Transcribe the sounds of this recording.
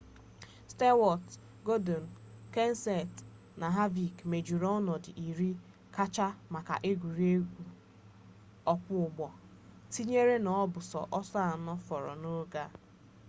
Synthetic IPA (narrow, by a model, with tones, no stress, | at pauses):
ste˦wɔ˨t | ɡo˦do˨n̩˨ | ke˦n̩˦sɛ˨t | na˨ɦa˦vi˨kme˨d͡ʒu˨ɾɔ˦nɔ˨dɪ̰˨ʔi˨ɾi˦ | ka˦t͡ʃa˦ma˨ka̰˨ʔe˦ɡʷu˨ɾi˦e˦ɡu˨ | ɔ˦k͡pʷʊ˦ʊ˨ɡ͡bɔ˨ | ti˦ɲe˦ɾe˦nɔ˨ɔ˦bʊ˨sɔ̰˨ʔɔ˦sɔ˦a˨nɔ˦fɔ˨ɾɔ̰˨no˦ɡa˦